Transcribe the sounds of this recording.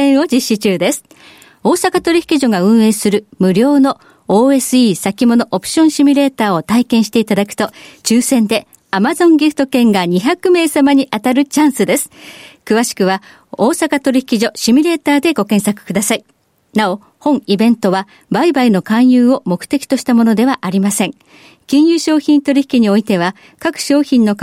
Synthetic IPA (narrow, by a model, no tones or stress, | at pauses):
ẽɰ̃o̞d͡ʑiɕːit͡ɕɨːd̪e̞sɨ̥ | o̞ːsakat̪o̞ɾʲiçi̥kʲiʑo̞ɡaɯ̟̃ɰ̃e̞ːsɨɾɯ̟mɯ̟ɾʲo̞ːno̞ | oːe̞sɨiːsakʲimo̞no̞ʔopɯ̟̥ɕõ̞ɰ̃ɕimʲiɾe̞ːt̪aːot̪aikẽ̞ɰ̃ɕi̥t̪e̞it̪ad̪akɯ̟̥t̪o̞t͡ɕɨːsẽ̞nd̪e̞ | amazõ̞ŋɡʲiɸɯ̟̥t̪o̞kẽ̞ŋɡaɲ̟içakɯ̟me̞ːsamaɲ̟iʔat̪aɾɯ̟t͡ɕãɰ̃sɨd̪e̞sɨ̥kɯ̟βaɕi̥kɯ̟βa | o̞ːsakat̪o̞ɾʲiçi̥kʲiʑo̞ɕimʲiɾe̞ːt̪aːd̪e̞ɡo̞kẽ̞ɰ̃sakɯ̥kɯd̪asai | nao̞ | hõ̞ŋ̃ibẽ̞nt̪o̞βa | baibaino̞kãɰ̃jɯːo̞mo̞kɯ̟̥t̪e̞kʲi̥t̪oɕi̥t̪amo̞no̞d̪e̞β̞aʔaɾʲimasẽ̞ŋ | kʲĩɰ̃jɯːɕo̞ːçʲĩnt̪o̞ɾʲiçi̥kʲiɲ̟io̞it̪e̞β̞a | kakɯ̟̥ɕo̞ːçʲĩnːo̞k